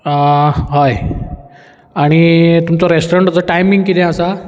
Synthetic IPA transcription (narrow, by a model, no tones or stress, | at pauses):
ɦaj | aɽ̃it̪umt͡sɔɾesʈɾəɳʈət͡səʈajmĩŋɡkit̪ɛ̃əsa